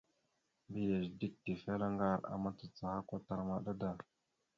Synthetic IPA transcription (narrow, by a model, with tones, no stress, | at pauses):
bi˦ja˨ʒdi˦k̚ti˨fa˦la˦ŋɡa˦˨ɾa̰˨ma˦t͡sə˨t͡sa˨ha˦kʷa˦ta˨ɾma˨ɗa˦da˨